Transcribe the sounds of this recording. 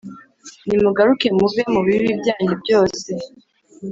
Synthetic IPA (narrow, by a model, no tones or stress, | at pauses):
nimuɡaɾuke̞muvemuβiɾibɟaːɲubɟo̞ːse̞